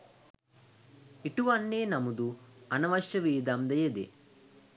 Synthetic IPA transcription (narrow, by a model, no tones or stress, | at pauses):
iʈuʋɐnːeːnɐmud̪uɐnɐʋɐʃjɐʋiːd̪amd̪ɐjɐd̪ḛ